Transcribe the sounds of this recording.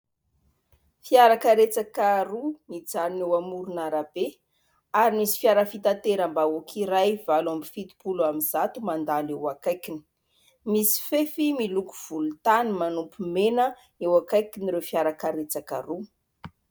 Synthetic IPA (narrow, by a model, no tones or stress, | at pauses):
fiaɾakəɾet͡sakaɾunid͡zaɾinewamuɾunaɾab̥e | aɾimisi̥fjaɾəfit̪ant̪eɾambaokʰiɾajvalwambifit̪u̥puluamiz̥at̪umand̪alewakajkini̥ | misi̥fefimilukuv̥ulut̪animanupumenə | ewakajkiniɾewfiaɾakaɾet͡saka̰ɾu